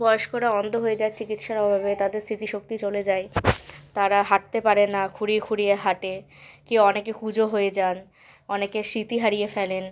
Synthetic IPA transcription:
bɔoʃkoɾaɔnd̪ʱoɦojed͡ʑaet͡ɕikit̪ʃaɾɔbʱabet̪ad̪eɾsɾit̪iʃok̚t̪it͡ɕoled͡ʑaet̪aɾaɦaʈ̚t̪epaɾenːakʰuɽiekʰuɽijeɦaʈe | kiɔnekekud͡ʑʱoɦojed͡ʑan | ɔnekeʃit̪iɦaɾijefɛlen

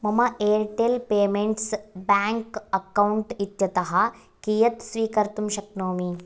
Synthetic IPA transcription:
mɐmɐʔeːɾʈelpeːmeɳʈsbaːŋkɐkɐwuɳʈit̪jɐt̪ɐɦɐ | kiːjɐt̪sʋiːkɐɾt̪umʃɐknoːmi

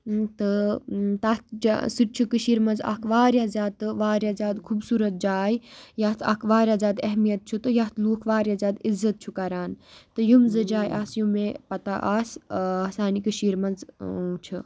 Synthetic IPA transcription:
t̪ɨt̪aːt̪d͡ʒ̰sɨʈ̚t͡ʃʰukɨʃiːɾmɐnza̰kʰʋaːɾjaːzʲaːd̪̚t̪ɨʋaːɾjaːzʲjaːd̪kʰuːbsuːɾɐt̪̚d͡ʒaːjjaːt̪ʰakʰʋaːɾʲjaːzʲaːd̪ɐɦmijɐt̪̚t͡ʃʰut̪ɨjaːt̪ʰluːkʰʋaːɾjaːzʲjaːd̪izːɐt̪̚t͡ʃʰukɐɾaːnt̪ɨjumzɨd͡ʒaːjʔaːsjumẽpɐt̪aʔaːsɐsaːnikɨʃiːɾmɐnzt͡ʃʰu

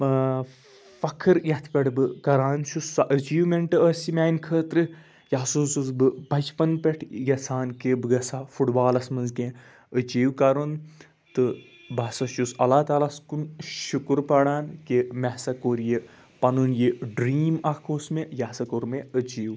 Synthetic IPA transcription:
fɐkʰɨɾjɐt̪ʰpʲeʈbɨkɐɾaːnt͡ʃʰusɐʔət͡ʃiːwmeɳʈɨəsimʲaːinkʰəːt̪ɾɨ | jaːsuːsuzbɨbɐt͡ʃpɐnpʲeʈʰjɐsʰaːnkebɨɡɐsafuʈbaːlɐsmɐnzkẽ | ət͡ʃiːwkɐɾun | t̪ɨ | bɐsɐʃusɐlaːt̪aːlaskunʃukuɾpɐɽaːnkemɛsɐkoɾje | pɐnunjeɖɾiːmɐkʰoːsmejaːsɐkoɾmẽət͡ʃiːw

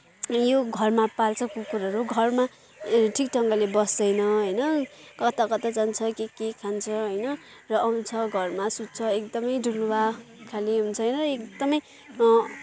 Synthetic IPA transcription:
joɡʱʌrmapalt͡sʰʌkokuɾaɾuɡʱʌrma | ʈʰikʈʰʌŋɡʌlebʌsʌjnʌɦʌjnʌkʌt̪akʌt̪ad͡zant͡sʰʌkikekʰant͡sʰʌɦʌjnʌ | rʌʔʌunt͡sʰʌɡʱʌrmasut̪̚t͡sʰʌekd̪ʌmʌjɖʱulwakʰaleɦunt͡sʰʌjnʌrʌek̚d̪ʌmʌj

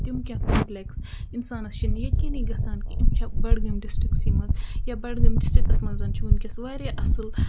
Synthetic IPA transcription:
t̪umkʲakoːmpleksinsaːnɐst͡ʃʰinjɐkiniɡɐsaːnkʲiʔimt͡ʃʰɐbɐɽɡɐmɖisʈɾiksiːmɐnzjabɐɽɡɐmɖisʈɾikɐsmɐnzɐnt͡ʃʰiwunkʲɐsʋaːɾeʔɐsɨl

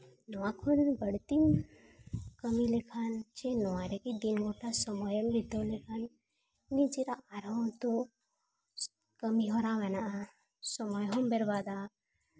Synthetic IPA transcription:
nɔakʰulbəɽt̪in | kəmilekʰant͡ʃenɔaɾekid̪inɡoʈasɔmɔjəmbʱid̪ɔlekʰanː | id͡ʒiɾaaɾãt̪o | kəmiɦɔɾaʋena | sɔmɔjɦɔmbeɾbad̪a

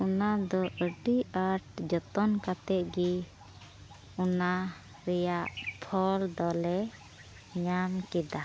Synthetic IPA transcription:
unad̪ɔʔəɖiaɾʈ̚d͡ʒɔt̪ɔnkat̪ɛt̪̚ɡi | una | ɾɛjaʔpʰɔld̪ɔlɛ | ɲamkɛd̪a

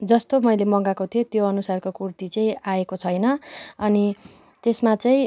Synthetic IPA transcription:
d͡zʌst̪omʌjlemʌŋɡakot̪ʰijot̪joʌnusarkokurt̪it͡sʌĩaekot͡sʰʌjnʌʌni | t̪esmat͡sʌĩ

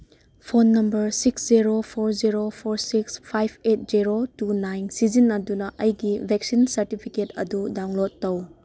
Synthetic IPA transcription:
pʰonːɐmbɐɾsiksziɾopʰoɾziɾopʰoɾsikspʰajpʰet̚ziɾotunajnsizinɐdunɐʔɐjɡibʱek̚sinsɐɾtipʰiketɐ̰dudawŋlotːɐw

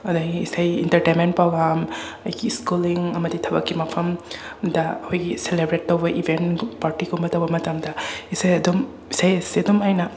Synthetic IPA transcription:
ɐdaɡiːsajḭntɐɾtenment̚paɡɾam | ɐjɡiskuliŋɐmɐditʰɐbɐkːimɐpʰɐmdɐɐhʰojɡiselebɾetːɐwbɐʔibʱenpaɾtikʰumbɐtɐwbɐmɐtɐmdɐisajɐdom | isajɐsiɐdɔmajnɐ

